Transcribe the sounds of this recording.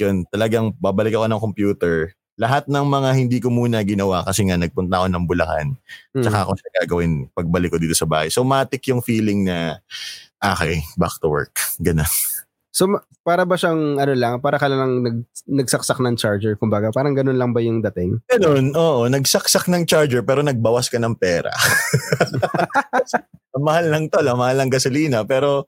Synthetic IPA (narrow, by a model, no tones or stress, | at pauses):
jont̪ɐlɐɡaŋbaːbɐlɪkɐko̞nɐŋkompjuːt̪ɛɹ | lɐɦat̪̚nɐŋmɐŋahɪnd̪iːkomuːnɐɡɪnɐwakɐsɛŋanɐɡ̚pʊnt̪ɐʔɐko̞nɐŋbʊlɐ̰ka̰nt͡ʃɐkaʔɐko̞ʃaɡaːɡɐwɪnpɐɡ̚bɐlɪkːod̪iːt̪osɐba̰ːhɐjsowmaːt̪ɪkjʊŋfiːlɪŋnɐ | ʔaːkɛba̰kt̪ʊwɛ̰ɹkɡɐno̞n | somɐ | paːɾɐbɐʃaŋɐnolɐŋpaːɾɐkɐlɐlɐŋnɐɡ̚nɐɡ̚sɐk̚sɐk̚nɐŋt͡ʃaɹd͡ʒɛɹkʊmbaɡɐpaːɾɐŋɡɐnonlɐŋbɐjʊŋd̪ɐt̪ɪŋɡ̥ɐno̞nʔoːʔonɐɡsɐksak̚nɐŋt͡ʃaɹd͡ʒɛɹpɛːɾo̞nɐɡ̚bawɐskɐnɐŋpɛːɾɐ̰ | ɐmɐhalːɐŋt̪olɐmɐhalːɐŋɡɐsoliːnɐpɛːɾo̞